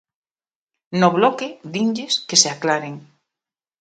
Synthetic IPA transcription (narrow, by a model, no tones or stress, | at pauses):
noβlɔkeðiɲʎeskeseaklaɾeŋ